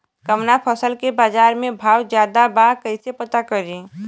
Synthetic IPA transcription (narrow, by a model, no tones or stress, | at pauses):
kəmnapʰəsəlkebaːd͡ʒaːɾmẽbʱaːwd͡ʒjaːd̪abaɦkəɪsepət̪akəɾĩ